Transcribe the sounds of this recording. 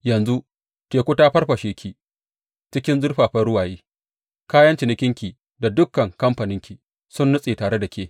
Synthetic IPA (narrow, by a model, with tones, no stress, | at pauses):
jɐ˨nzu˦ | tʲeː˨kʷʊ˦taː˦ɸɐ˦rɸɐ˨ʃeː˦kʲi˨ | t͡ʃɪ˦kʲɪ˦nzʊ˦rɸaː˨ɸɐ˦rɽʊ˦waː˨jeː˦ | kaː˦jɐ˦nt͡ʃɪ˨nɪ˦kʲɪ˦ŋkʲiː˨ | da˨dʊ˦kːɐ˨ŋkɐ˦mɸa˨nɪ˦ŋkʲi˨ | sʊ˦nːʊ˦sʼeː˨taː˨ɽe˦da˨kʲeː˦